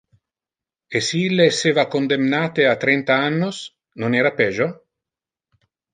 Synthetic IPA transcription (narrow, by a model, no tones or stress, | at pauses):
esiilːeːsːeːvakond̪emnaːt̪eat̪ɾɛnt̪aanːos | nonɛːɾapɛːʒo